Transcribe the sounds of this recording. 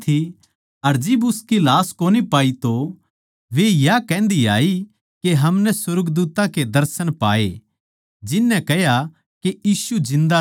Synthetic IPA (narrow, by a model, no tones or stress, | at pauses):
t̪ʰi | ɐɾd͡ʒɪbʊskilaːskoːnipaːit̪o | ʋejakɛ̃ːnd̪ia̰ːi | keɦɐmnɛsʊɾɡd̪uːt̪ãked̪ɐɾsənpaːḛ | d͡ʒɪnːɛ̃kɛja | keiːsud͡ʒɪ̃nd̪a